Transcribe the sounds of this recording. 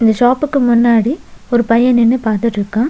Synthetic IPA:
ɪnd̪ɐʃaːpɯkːɯmʊnːaːɽiɔɾɯpɐjɐnɪnːɯpaːɾt̪ɯʈɾɯkːãː

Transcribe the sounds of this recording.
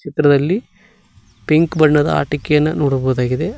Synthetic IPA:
t͡ʃit̪ɾɐd̪ɐlːi | piŋkbɐɳːɐd̪ɐ̰a̰ːʈɐkɛjɐnːɐnoːɽuboːd̪aːɡid̪e

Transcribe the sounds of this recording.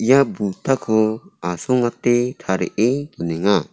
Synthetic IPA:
ijabut̪akʰɔasɔŋat̪ɛt̪ʰaɾɛ̰ʔet̪ɔnɛŋa

